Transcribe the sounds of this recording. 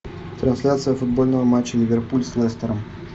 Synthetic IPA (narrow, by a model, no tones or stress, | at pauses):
t̪ɾɐnsʲlʲat̪sɨjəfʊd̪̚bolʲnəvəmat͡ɕːəlʲɪvʲerpulʲslˠɛst̪əɾəm